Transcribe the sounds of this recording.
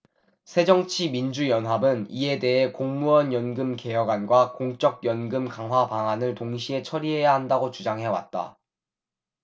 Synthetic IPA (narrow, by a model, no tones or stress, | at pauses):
sʰe̞d͡ʑʌŋt͡ɕʰimind͡ʑujʌnɦabɯnie̞de̞ɦe̞koŋmuʌnjʌnɡɯmke̞jʌɡanɡwakoŋt͡ɕ͈ʌk̚jʌnɡɯmkaŋɦwapaŋanɯɭtoŋɕʰiɦe̞t͡ɕʰʌɾiɦe̞jaɦandaɡot͡ɕud͡ʑaŋɦe̞wa̰t̚t͈a̰